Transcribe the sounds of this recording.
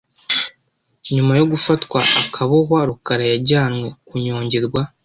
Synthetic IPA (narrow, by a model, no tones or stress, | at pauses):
ɲumajo̞ɡufatwaːkʰaβoɦwaɾukaɾajaɟaːnŋwe̞kuɲo̞ːɲɟe̞ɾɡwa